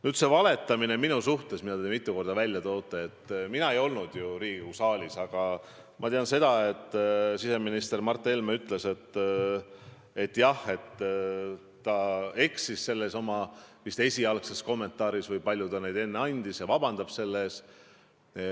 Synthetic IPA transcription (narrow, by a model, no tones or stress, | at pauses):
nyːt̪se̞vɑle̞t̪ːˑɑmine̞minusuht̪e̞sminɑd̪emmit̪ːˑuko̞rd̪̥ɑvælʲjɑt̪o̞ːt̪ːˑee̞t̪ːˑminɑe̞jo̞lnud̪̥juɾiːɡ̥usɑːlʲisɑɡ̥ɑ | mɑt̪eɑnse̞d̪̥ɑe̞t̪ːˑsise̞minist̪e̞rmɑrt̪ːˑe̞lmeyt̪ːˑle̞se̞t̪ː | e̞t̪ːˑjɑhe̞t̪ː | t̪ːɑe̞ksisːe̞lːeso̞mɑvist̪e̞sʲiɑlkse̞sko̞mːe̞nt̪ːˑɑːɾisvɤjpɑlʲjud̪̥ɑnejd̪e̞nːeɑnʲd̪̥isjɑvɑbɑnd̪ɑb̥se̞lːeːs